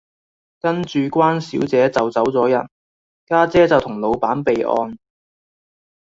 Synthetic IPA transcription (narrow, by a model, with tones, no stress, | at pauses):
kɐ˥nt͡ʃyː˨kʷaː˥nsiː˨˥wt͡sɛː˨˥t͡sɐ˨wt͡sɐ˨˥wt͡sɔː˨˥jɐ˨˩n | kaː˥t͡sɛː˥t͡sɐ˨wt̪ʰʊ˨˩ŋlo˨˧wpaː˨˥npe˨jʔɔ̰ː˧n